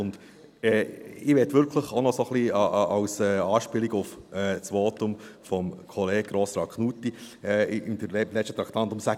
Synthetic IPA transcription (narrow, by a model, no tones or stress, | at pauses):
ʊnd̪̥ | ɛːɪʋɛtʋʏɾkʰləχonɔsoχliɑwsɛːɑːʃpɪliɡʊfɛːt͡sʋoːtʊmfɔmkʰɔleːɡ̚ɡɾoːsɾɑkχnut̪ːi | ɛɪd̥̪əlɛt͡ʃʃtət̪ɾɑkt̪ɑnt̪ʊmsæ